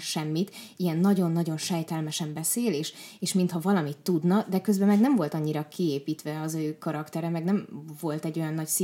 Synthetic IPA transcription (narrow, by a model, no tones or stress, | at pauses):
ʃɛmːit̪ijɛnːɒɟo̞nːɒɟo̞nʃɛjt̪ɛlmɛʃɛmbɛseːleːʃeːʃmint̪hɒvɒlɒmit̪ːud̪nɒd̪ɛkøzbɛmɛɡnɛmvo̞lt̪ɒɲːiɾɒkieːpiːt̪ʋɛɒzøːkɒɾɒkt̪ɛɾɛmɛɡnɛmvo̞lt̪ɛɟːo̞jɒnːɒcsi